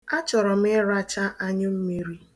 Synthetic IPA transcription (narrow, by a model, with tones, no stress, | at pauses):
a˦t͡ʃɔ˨ɾɔ˨m˦ɪ˦ɾa˦t͡ʃa˦ʔa˦ɲɪ˦m̩˦mi˦ɾi˦